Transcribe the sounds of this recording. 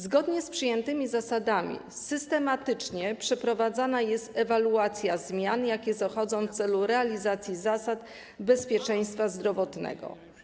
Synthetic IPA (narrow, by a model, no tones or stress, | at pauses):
zɡɔd̪ɲɛspʂɘjɛnt̪ɘmʲizasad̪amʲḭsɘst̪ɛmat̪ɘt͡ʂɲɛpʂɛpɾɔvad̪zanajɛst̪ɛvaluat̪sʲjazmʲjanjakʲɛzɔxɔd̪zɔ̃w̃ft̪sɛluɾɛalʲizat̪sʲjizasat̪ | bɛspʲjɛt͡ʂɛj̃st̪fazd̪ɾɔvɔt̪nɛ̰ɡɔ̰